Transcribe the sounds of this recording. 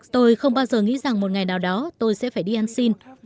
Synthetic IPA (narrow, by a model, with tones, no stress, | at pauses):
t̪o˧jxə˧wŋ͡mɓaː˧wzəː˨˩ŋḭ˧˥za˨˩ŋmo˨˩t̚ŋa˨˩jnaː˨˩wɗɔ˨˦t̪o˧jsɛ̰˧˥faː˧˩jɗi˧ʔa˧nsi˧n